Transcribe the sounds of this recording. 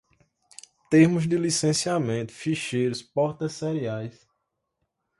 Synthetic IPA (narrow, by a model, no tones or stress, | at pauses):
t̪eɾmʊzd̪ɪlisẽsiamẽt̪ʊ̥fiʃejɾʊspɔɾt̪ɐsːɛɾiajs